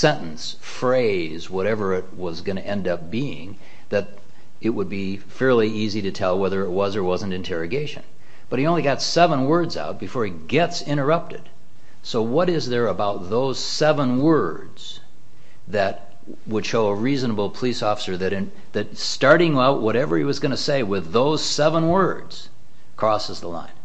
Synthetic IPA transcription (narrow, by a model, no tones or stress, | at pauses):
sɛ̃nʔn̩s | fɹeɪ | zwʌɾɛvə˞ɪt̚wʌzɡʌñɨʔɛ̃ndʌp̚b̥iɪ̰̃ŋ | ðɨɾ | ɨt̚wəd̚bi | fɛɹlˠiiziɾɨtʰɛlˠwɛðə˞ɨt̚wʌzə˞wʌzə̃ntɨ̃ntʰɛɹɨɡeɪʃɨ̰̃n | b̥ʌt̚iõʊ̃nliɡɑtsɛvə̃nwɜ˞dza̰ʊt̚b̥ɨfɔɹɨt̚ɡ̥ɛtsɪ̃ɾ̃ə˞ʌp̚tɨd̥ | soʊwʌɾɪzðə˞əbaʊt̪̚ðoʊz̥sɛvə̃nwɜ˞ | dz̥ | ðɨt̚ | wəd̥ʃoʊəɹiznəbl̩ˠpʰəlisɔfə̥sə˞ðɨɾɨ̃n | ðɨt̚stɑɹɾɪ̃ŋaʊʔ̚wʔʌɾɛvə˞iwʌzɡʌñɨseɪwɪðoʊz̥sɛvə̃nwɜ˞dz̥ | kʰɹ̥ɔsəzðəlã̰ɪ̃n